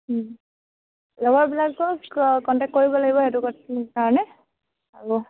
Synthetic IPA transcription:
lɔbaɹbilakːɔkɔntɛk̚tkoɹibɔlaɡibɔetuɡɔkaɹɔnɛ | aɹu

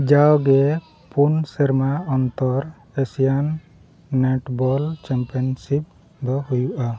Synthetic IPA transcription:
d͡ʒawɡɛ | punsɛɾmaɔnt̪ɔɾ | esijanː | ɛʈbɔlt͡ʃɛmpiɔnsip̚ | d̪ɔhujuʔa

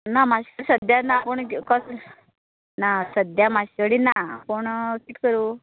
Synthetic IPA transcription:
namaɕəɾsəd̪janapəɳkɔs | nasəd̪jamaɕəɽinakoɳkiʈkəɾu

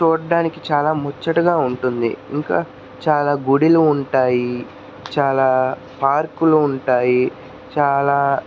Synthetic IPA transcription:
t͡ʃuːɽɐɖaːnikit͡ʃaːlaːmɔt͡ʃːɐʈɐɡaːuɳʈund̪ḭḭŋkaː | t͡ʃaːlaːɡuɽiluːɳʈaːji | t͡ʃaːlaː | paːɾkuluːɳʈaːji | t͡ʃaːlaː

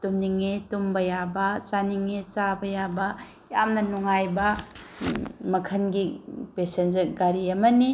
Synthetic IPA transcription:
tumniŋetumbɐjabɐt͡ʃaniŋet͡ʃabɐjabɐ | jamnɐnuŋajbɐ | mɐkʰɐnɡipesenzɡaɾiɐmɐni

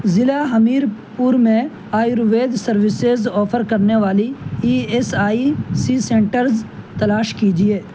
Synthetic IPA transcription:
zɪlaɦɐmiːɾpuɾmẽ | aːjɾʋeːd̪sɐɾʋɪsezɔːpʰəɾkɐɾneʋaːliiːesaːisisẽːɳʈəɾz | t̪ɐlaːʃkiːd͡ʒieː

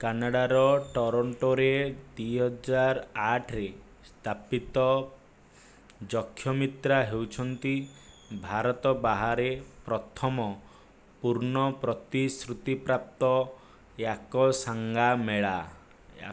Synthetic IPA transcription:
kanaɽaɾɔʈɔɾɔɳʈɔɾed̪ijɦɔd͡ʒaɾaʈʰɾe | st̪ʰapit̪ɔ | d͡ʒɔkʰːjɔmit̪ɾaɦewt͡ʃʰɔnt̪i | bʱaɾɔt̪ɔbaɦaɾepɾɔt̪ʰɔmɔ | puɾnɔpɾɔt̪isɾut̪ipɾap̚t̪ɔ | jakɔsaŋɡameɭa | a̰

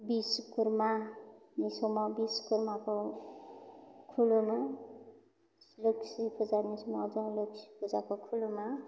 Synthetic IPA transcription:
biskuɾmanisomabiskuɾmako | kʰuloma | loksʰipʰud͡zanisomaːd͡zʌŋloksʰi̥pʰud͡zakokʰuluma

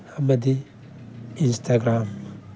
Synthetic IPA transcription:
amɐd̪i | instʰaɡɾam

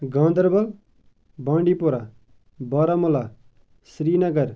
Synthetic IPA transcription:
ɡãːnd̪əɾbɐl | bãːɳɖiːpoɾa | bɔɾamola | sɾiːnɐɡɐɾ

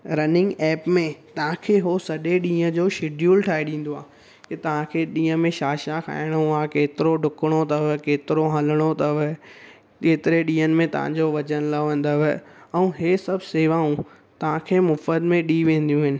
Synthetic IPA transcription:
ɾɐnɪ̃ŋɡɛːpmẽt̪ɐʋ̤ãkʰeːɦosɐɗeɗĩːə̃d͡ʑoːʃɪɖʱjuːlʈʰaːiɗĩːn̆d̪oaː | kɪt̪ɐʋ̤ãkʰeːɗĩːə̆mẽʃaːʃakʰa̰ːɪɽ̃ũaːkeːt̪ɪɾoɖʱʊkəɽ̃ot̪ɐʋkeːt̪ɪɾoɦɐləɽ̃ot̪ɐʋ | keːt̪ɪɾeɗĩːənɪ̆mẽt̪ɐʋ̤ã̰ɲd͡ʑoʋɐd͡ʑənɪlɐʋə̃n̆d̪əʋɪɛ̃ũːɦeːsɐbʱseːʋaːũ | t̪ɐʋ̤ãkʰeːmʊfəd̪mẽɗiʋẽːn̆d̪ijũɦɪnɪ̆

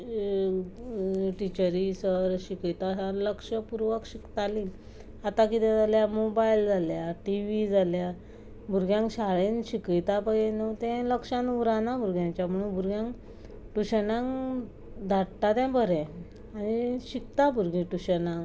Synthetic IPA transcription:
ʈit͡ɕəɾisəɾɕikət̪asaɾləkʂəpuɾʋəkɕikt̪aliː | at̪akit̪ɛ̃d͡zaljamobaild͡zaljaʈiʋid͡zalja | bʱuɾɡjãŋkɕaɭenɕikit̪apajenət̪ɛ̃ləkʂãnuɾanabʱuɾɡjãɲt͡ɕjam̤əɽ̃unbʱuɾɡjãŋ | ʈuɕənãŋ | d̪ʱaʈʈat̪ɛ̃bəɾɛ̃ | aɽ̃iɕikt̪abuɾɡĩʈuɕənãŋ

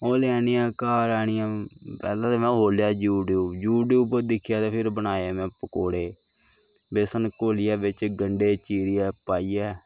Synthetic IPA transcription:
oːlɛːnɪːãːkaːɾaːɳɪjãːpɛːlãːt̪eːmɛ̃ːɦoːljaːd͡ʒuːɖuːd͡ʒuːɖeʊpəɾd̪ɪkʰɪjaːt̪epʰɪɾbənaːaːmɛ̃ːpəkoːɽeː | beːsənkoːlɪjaːbɪt͡ʃɡəɳɖeːt͡ʃiːɾɪjɛːpaːiːɛː

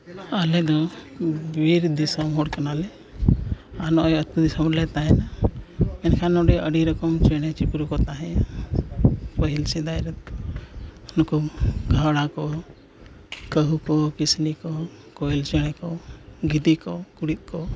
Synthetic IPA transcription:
alɛd̪ɔ | biɾd̪isɔmɦɔɽkənalɛ | anɔjət̪̚kud̪isɔmlɛt̪aɦɛnamɛnkʰanɔɖɛʔəɖiɾɔkɔmt͡ʃɛɽ̃ɛt͡ʃikɾukɔt̪aɦɛ̃ | pəɦilsid̪ajɾɛt̪̚ | nɔkɔɡʱawɽ̃akɔ | kəɦukɔkisnikɔ | kɔilt͡ʃɛɽ̃ɛkɔɡid̪ikɔkuɽit̪̚kɔ

